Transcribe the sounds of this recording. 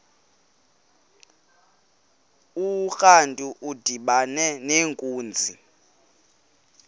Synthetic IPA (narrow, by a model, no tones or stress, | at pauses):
uxantʼuʔud̥ʱiɓanɛneːŋkʼuːnd͡zʱḭ